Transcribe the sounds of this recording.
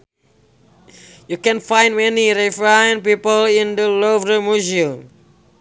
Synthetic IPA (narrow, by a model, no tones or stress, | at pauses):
jukɛ̃nfãj̃nmɛniɹifɹaj̃npipəlĩndəlovɾəmuzi